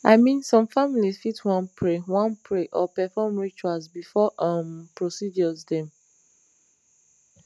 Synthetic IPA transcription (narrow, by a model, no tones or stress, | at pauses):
ʔaɪmĩnsɔ̃mfamilizfitwãnpʰɹewãnpʰɹeʔɔpɛfɔmɹit͡ʃualzbifɔʔʌmpɹosid͡ʒɔzdɛ̃m